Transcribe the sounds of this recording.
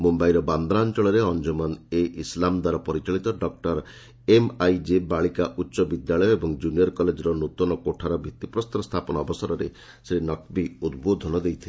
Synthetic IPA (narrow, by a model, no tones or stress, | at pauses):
mumbajɾɔband̪ɾaːnt͡ʃɔɭɔɾeɔnd͡ʒumaneʔislamd̪waɾɔpɔɾit͡ʃaɭit̪ɔɖɔk̚ʈɔɾ | emajd͡ʒebaɭikaʔutːʃɔbid̪jaɭɔjɔebɔŋd͡ʒuniɔɾkɔled͡ʒɔɾɔnut̪ɔnɔkoʈʰaɾɔbʱit̪ipɾɔst̪ɾɔst̪ʰapɔnaːbɔsɔɾɔɾe | sɾenɔkbiud̪̚bod̪ʱɔnɔd̪ejt̪ʰil